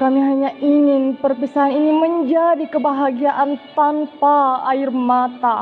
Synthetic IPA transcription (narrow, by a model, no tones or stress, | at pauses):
kamiɦaɲaʔiŋɪnpərpisaɦaniniməɲd͡ʒadikəbaɦaɡiaʔant̪anpaːɪrmat̪a